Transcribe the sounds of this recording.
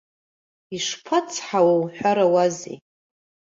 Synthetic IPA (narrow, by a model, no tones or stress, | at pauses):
iʂpʰat͡sʰħawawħᶣʷaɾawazḭ